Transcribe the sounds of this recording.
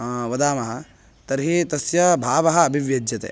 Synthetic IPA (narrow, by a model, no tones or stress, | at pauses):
ʋɐd̪aːmɐɦɐ | t̪ɐɾɦit̪ɐsjɐbʱaːʋɐɦɐːbʱiʋjɐd͡ʒjɐt̪ḛː